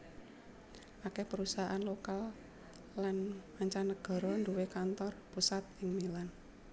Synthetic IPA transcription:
ʔakepəɾusaɦʔanlokal | lanmaɲt͡ʃanːəɡ̥ɔ̤ɾɔnd̪uwekant̪ɔrpusat̪̚ɪŋmilan

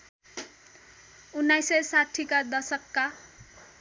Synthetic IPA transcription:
unːajsʌsaʈʰikad̪ʌsʌkːa

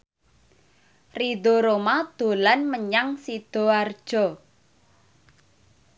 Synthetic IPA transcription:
rid̪ɔ̤ɾomad̪̥o̤lanməɲaŋsid̪̥ɔ̤ard̥ʒ̥ɔ

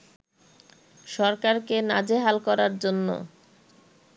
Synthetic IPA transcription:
ʃɔɾkaɾkena̰d͡ʑeɦalkɔɾaɾd͡ʑonːo̰

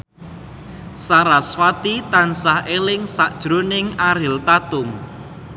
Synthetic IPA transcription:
saɾasfat̪it̪ansahelɪŋsaʔd̥ʒ̥ɾonɪŋaɾɪlt̪at̪ʊŋ

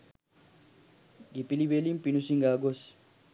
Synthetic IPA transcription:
ɡipilibelimpinusiŋɡaːɡos

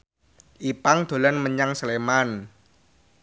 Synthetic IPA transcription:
ʔipaŋd̪̥o̤lanməɲaŋsəleman

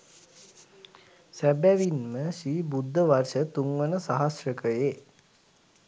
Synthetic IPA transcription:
sæbæʋinməʃiːbud̪ʱːəʋarʃət̪uŋʋənəsaɦasrəkəjeː

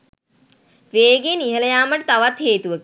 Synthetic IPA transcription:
ʋeːɡeniɦələjaːməʈət̪aʋat̪heːt̪uʋək

